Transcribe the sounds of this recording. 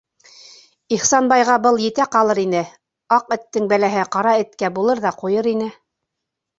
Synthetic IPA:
iχsɑnbɑjʁɑbɤlˠjɘ̆t̪æqɑlˠɤɾinɘ | ɑqɘ̆t̪ːɘŋbælæɦɘqɑɾɑɘ̆t̪kæbulˠɤɾðɑqujɤɾinɘ

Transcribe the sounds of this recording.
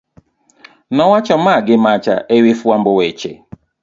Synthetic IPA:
nɔwat͡ʃɔmaɡɪmat͡ʃa̰ʔewɪfuambʊwet͡ʃḛ

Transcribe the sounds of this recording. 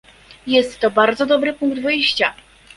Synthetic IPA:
jɛst̪ːɔbaɾd̪zɔd̪ɔbɾɘpuŋɡd̪vɘjɕt͡ɕa

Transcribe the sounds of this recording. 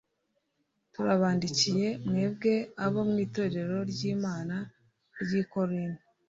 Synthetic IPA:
tuɾaβaːndicije̞mŋe̞ːβɡe̞aβo̞mŋiːto̞ːɾe̞ɾoɾɟiːmaːna | ɾɟiːko̞ɾini

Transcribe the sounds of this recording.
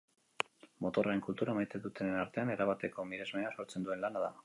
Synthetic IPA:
mo̞t̪o̞raɾe̞ŋkult̪uɾamajt̪e̞ðut̪enenaɾt̪e̞ane̞ɾaβat̪e̞ko̞miɾe̞zmeaso̞ɾt͡se̞nd̪ue̞nlanaða

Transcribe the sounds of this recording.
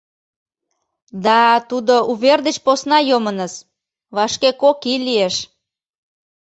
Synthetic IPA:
d̪ɑt̪ud̪oʔuβerd̪et͡ɕposnɑjomənəs | βɑʃkekokilieʃ

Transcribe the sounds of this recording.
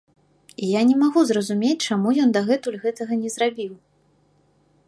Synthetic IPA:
ijanʲɛmaɣuzrɐzumʲet͡sʲt͡ʂamujɔnd̪ɐɣɛt̪ulʲɣɛt̪ɐɣɐnʲɛzɾabʲiw

